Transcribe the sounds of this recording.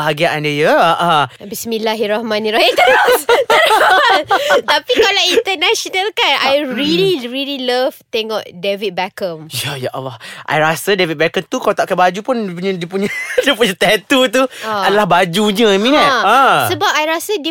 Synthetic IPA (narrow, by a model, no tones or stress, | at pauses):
aɡiaʔandəjəaʔabismĩlaɦiɾahmãnĩɾahaka | ɾaant̪apikalainnt̪ənaʃɔnalkanʔajɹiliɹililəvt̪eŋɔʔdevit̪̚bɛkəmjajaʔa̰waʔa̰jɾasadevit̚bɛkəmt̪ukalat̪aʔkanbad͡ʒupunpuɲãdiəpuɲadiəpuɲãt̪ɛt̪ut̪uadalahbad͡ʒuɲə̃mĩnãtə̃səbap̚ajɾasadi